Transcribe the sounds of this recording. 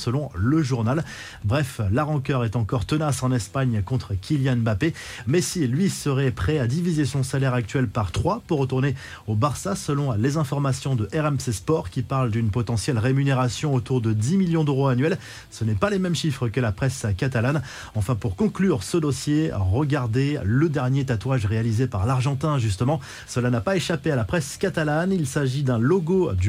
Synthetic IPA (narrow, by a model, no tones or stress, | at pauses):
səlɔ̃ləʒuʁnal | bʁɛflaʁɑ̃kœʁɛt̪ɑ̃kɔʁt̪ənasɑ̃nɛspaɲkɔ̃t̪χəkʲʰiljanbape | mɛsilɥisəʁɛpχɛad̪ivizesɔ̃salɛʁak̚t̪ɥɛlpaʁt̪χwapuʁːət̪uʁne | obaʁsasəlɔ̃lezɛ̃fɔʁmasjɔ̃d̪əʔɛʁɛmsespɔʁkʲipaʁld̪ynpɔt̪ɑ̃sjɛlʁemyneʁasjɔ̃ot̪uʁd̪əd̪imiljɔ̃d̪øʁoanɥɛl | sənɛpalemɛmʃifχəkəlapχɛskat̪alan | ɑ̃fɛ̃puʁkɔ̃klyʁsəd̪ɔsjeʁəɡaʁd̪eləd̪ɛʁnjet̪at̪waʒʁealizepaʁlaʁʒɑ̃t̪ɛ̃ʒyst̪əmɑ̃ | səlanapaeʃapealapχɛskat̪alanilsaʒid̪ɛ̃lɔɡod̪y